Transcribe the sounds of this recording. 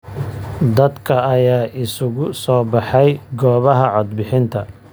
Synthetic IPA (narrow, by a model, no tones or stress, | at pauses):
d̪ɐd̪kʰɐːjaːʔɪsʊɣʊsɔːbɑħɛjɡɔːβɐɦɐʕɔd̪̚bɪħɪnt̪ʰɐ